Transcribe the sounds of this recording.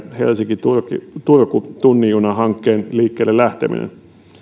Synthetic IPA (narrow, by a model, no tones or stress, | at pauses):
hḛlsiŋkit̪urkḭt̪urkut̪unːijunɑhɑŋkːeːnliːkːeːlːellæht̪ḛmḭnḛn